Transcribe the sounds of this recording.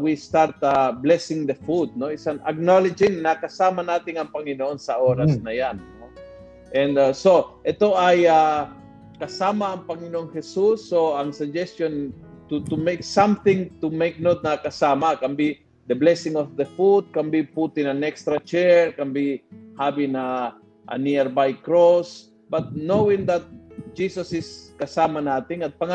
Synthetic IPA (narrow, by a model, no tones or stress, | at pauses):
wist̪aɾt̪ablɛsɪŋd̪əfud̪̚noɪsanɐ̰ɡ̚nolɪd͡ʒɪŋnɐkɐsaːmanaːt̪ɪŋɐŋpɐŋɪnoʔonsɐʔoɾasnɐjanːo | ʔɛ̃nd̪asoʔɛt̪oʔaja | kɐsaːmaːŋpɐŋɪnoʔoŋhɛsusːoɐŋsɐd͡ʒɛst̪jon | t̪ut̪umejksãmθɪ̃ŋt̪umejk̚not̪̚nɐkɐsaːmakambi | d̪əblɛsɪŋofd̪əfud̪̚kambiput̪ɪnaŋɛkst̪ɾat͡ʃɛɹkambihabina | ʔa̰niɛɾbajkɾos | bat̪̚nowɪ̃ŋd̪at̪̚d͡ʒisosɪskɐsaːmanaːt̪ɪŋɐt̪̚pɐŋa